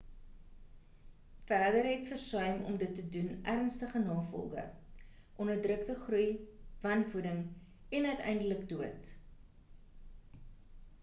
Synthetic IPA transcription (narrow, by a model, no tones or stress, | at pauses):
færdəɾɦɛtfərsœɥmɔ̰mdətːədunʔærənstəχənɑːfɔ̰lˠɡə̰ | ʔɔnərdrək̚təχrujvɐnvudəŋ | ɛnœɥtɛ̰jndələkduət